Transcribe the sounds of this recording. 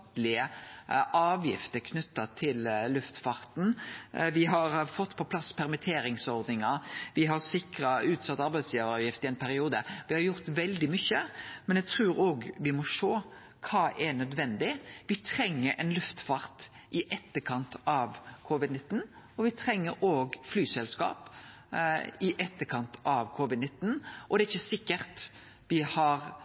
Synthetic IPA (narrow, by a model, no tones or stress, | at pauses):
t̪lɪəʔɑːʋjɪ̰ft̪əɾkʰnʉt̪ːɑt̪ʰɪllʉft̪fɑɾt̪n̩ʋɪɦɑɾfɔt̪ːpʰɔpʰlɑsːpʰæɾmɪt̪ʰeːɾɪŋsɔɾd̪nɪŋɑɾʋɪɦɑɾsɪkɾɑʉːt̪sɑt̪ːɑɾbæɪd̪sjœːʋɑʋjɪft̪ɪɛɪnpʰæɾɪuːd̪əʋɪhɑɾjʊɾt̪ʋɛld̪ɪmʏçːəmɛnjɛɡt̪ʰɾʉːɾoːɡʋɪmɔʂoː | kʰɑːʔɛnœd̪ʋɛnd̪ɪʋɪt̪ʰɾɛŋːəɾʔɛ̰nlʉft̪fɑɾt̪ | ʔɪʔɛt̪ːəkʰɑnt̪ɑʋkʰoːʋɪd̪nɪt̪ːn̩ | ɔʋɪt̪ʰɾɛŋːəɾoːɡflyːsɛlskɑ̰ːp | ɪʔɛt̪ːəkʰɑnt̪ʰɑʋkʰoːʋɪd̪nɪt̪ːn̩ʔɔd̪ɛːɪçːəsɪkːəɾt̪ | ʋɪhɑɾ